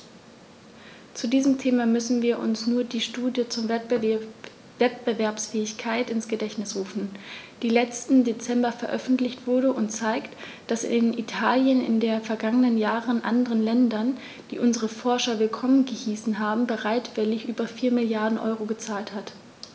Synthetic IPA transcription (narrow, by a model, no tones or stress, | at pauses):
t͡sudiːzəm̩tʰeːmamʏsn̩viːɐʔʊ̰nsnuːɐdiːʃtuːdjət͡suːɐ | vɛtb̥əvɛɐpsfɛːɪçkʰaɪtɪnsɡ̥ədɛçtnɪsʁuːfn̩d̥iːlɛt͡stn̩det͡sɛmbɐfɛɐʔœfn̩tlɪçtv̥ʊɐɾəʔʊntt͡saɪkt | d̥asɪ̰nitʰaːljənɪ̰ndeːɐfɛɐɡaŋənənjaːʁənʔa̰ndəʁənlɛndɐn | d̥ḭːʔʊnzəʁəfɔɐʃɐvɪlkʰɔmənɡəhiːsn̩ɦaːbm̩bəʁaɪtv̥ɪlɪçʔyːbɐfiːɐmɪljaɐdn̩ʔɔ̰ʏʁoɡət͡saːlthat